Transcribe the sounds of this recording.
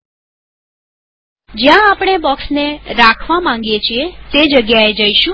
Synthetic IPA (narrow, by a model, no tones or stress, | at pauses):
d͡ʒjãːpɽ̃ebɔksneɾakʰʋamãŋ̆ɡjet͡ʃʰiet̪ed͡ʒəɡjaed͡ʒəiʃũ